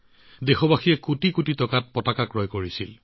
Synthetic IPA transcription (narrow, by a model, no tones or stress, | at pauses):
dexɔbaxijɛkutikutitɔkat̚pɔtakakɹɔjkoɹisil